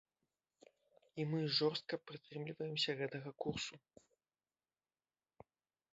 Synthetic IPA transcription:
imɨʐɔrst̪̚kɐpɾɨt̪ɾɨmlʲivɐjɛmsʲɐɣɛt̪ɐɣɐkursu

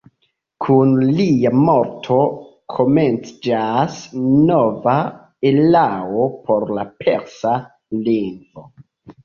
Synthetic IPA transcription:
kʰunliamo̞ɾtʰo̞ | kʰo̞me̞nt͡sd͡ʒasno̞va | elaopʰo̞ɾlapʰe̞̰ɾsa | liŋɡvo̞

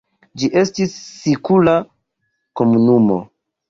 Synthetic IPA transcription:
d͡ʒiʔe̞stisːikula | ko̞munumo̞̰

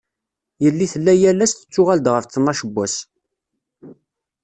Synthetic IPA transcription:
jəlːiθəlːæjælːæst̪ə̥t͡sːʊʁæld̪ʁəfθənːɑʃəbːæs

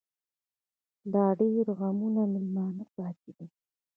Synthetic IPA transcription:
lɑɖeɾɣamunamɪlmɑːnapɑtid̪a

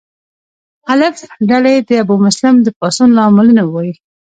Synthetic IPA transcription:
alɪfɖaled̪əabumʊslɪmd̪əpɑsunlɑmɪlənawɑji

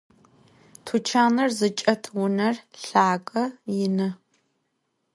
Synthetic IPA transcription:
tʰut͡ʃʰaːnɐrzɨt͡ʃʼɐtʰwʊnɐrɬaːkʼɐjɪnɨ

